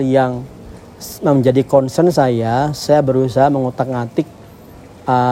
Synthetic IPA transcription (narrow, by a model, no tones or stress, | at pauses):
jaŋ | məmd͡ʒadikɔnsənsajasajabəɾusaɦaməŋut̪ak̚ŋat̪ɪk̚ | ə